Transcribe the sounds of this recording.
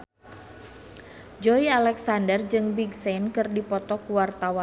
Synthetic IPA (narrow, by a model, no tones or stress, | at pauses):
d͡ʒɔialɛksandərd͡ʒɨŋbiɡsɛnkɨrdipɔt̪ɔkuwart̪awa